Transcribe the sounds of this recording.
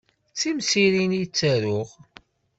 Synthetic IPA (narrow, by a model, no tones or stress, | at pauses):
t͡sːimsiɾinjt͡sːəɾʊʁ